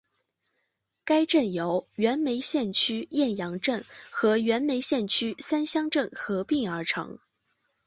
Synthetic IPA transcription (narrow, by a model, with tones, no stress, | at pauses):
ka˥ɪʈ͡ʂə˥˩njo˧˥ʊɥɛ˧˥nme˧˥ɪɕjɛ˥˩nt͡ɕʰy˥jɛ˥˩njɑ˧˥ŋʈ͡ʂə˥˩nxɤ˧˥ɥɛ˧˥nme˧˥ɪɕjɛ˥˩nt͡ɕʰy˥sa˥nɕjɑ˥ŋʈ͡ʂə˥˩nxɤ˧˥pi˥˩ŋə˞˧˥ʈ͡ʂʰɤ̰˧˥ŋ